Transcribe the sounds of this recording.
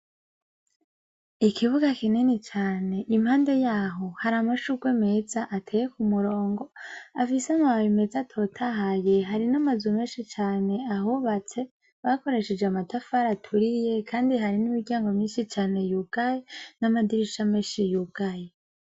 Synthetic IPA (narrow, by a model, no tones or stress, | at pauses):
ikʰiβuɡakinenet͡ʃaːne̞ʔimhaːnde̞jaːɦo̞haɾamaʃuɡweme̞zaʔatʰeːjekumuɾo̞ːŋɡo̞afiseamaβaβime̞zatʰo̞tʰaɦaje̞ɦaɾinamazume̞ːnʃit͡ʃaːne̞aɦuβat͡se̞ | βako̞ɾe̞ʃed͡ʒeamatafaɾatʰuɾije̞kʰaːndiɦaɾinimiɡɟaːŋɡo̞mɲiːnʃit͡ʃaːne̞juːɡ̥ajenamadiɾiʃameːnʃijuːɡ̥aje